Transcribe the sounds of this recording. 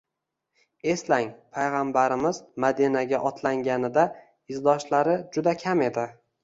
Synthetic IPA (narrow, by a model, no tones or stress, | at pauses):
e̞slaŋpʰajʁambaɾɪmɪzmad̪ɪnaɡʲaʔɒt̪ʰlaŋɡʲanɪd̪a | ɪzd̪ɒʃlaɾɪd͡ʒʊd̪akʲʰame̞d̪ɪ